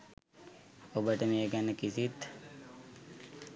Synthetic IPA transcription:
obəʈəmejəɡænəkisit̪

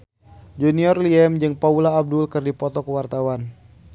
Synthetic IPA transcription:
d͡ʒuniɔrliɛmd͡ʒɨŋpaulaːb̚dulkɨrdipɔt̪ɔkəwart̪awan

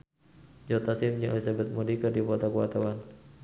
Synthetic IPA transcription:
d͡ʒɔt̪asimd͡ʒiʔalisabɛt̪̚mudikərdipɔt̪akuat̪awan

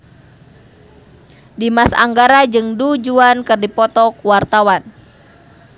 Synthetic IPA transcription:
dimasa̰ŋɡaɾad͡ʒɨŋdud͡ʒuankɨrdipɔt̪ɔkuwart̪awan

